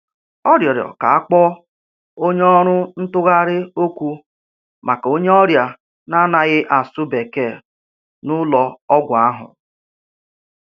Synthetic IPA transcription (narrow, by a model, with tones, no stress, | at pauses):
ɔ˦ɾjɔ˨ɾjɔ̰˨ka˨a˦k͡pɔ˦ | o˦ɲ˦ɔ˦ɾʊ˦n̩˦tʊ˦ɣa˦ɾɪ˦o˦kʷu˦ | mʔa˨ka˨o˦ɲe˦ɔ˦ɾja˨ | na˦na˨ɣɪ˦ʔa˨sʊ˦be˨ke˦˨ | nʊ˦lɔ˨ɔ˦ɡʷa˨a˦ɦʊ̰˨